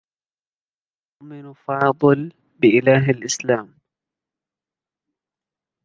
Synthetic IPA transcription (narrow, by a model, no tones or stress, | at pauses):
ʊʔmɪnfɑːd̪ˤɨl | bɪʔɪlaːɦalʔɪslaːm